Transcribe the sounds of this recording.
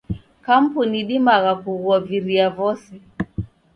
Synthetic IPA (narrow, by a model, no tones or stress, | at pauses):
kam̩puniɗimaɣakuɣɔviɾiavɔsi